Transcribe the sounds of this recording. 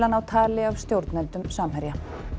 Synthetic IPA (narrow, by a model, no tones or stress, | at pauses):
lanawt̪ʰaːlɪavst̪jowɾt̪nɛnt̪ʏmsaːmhɛɾja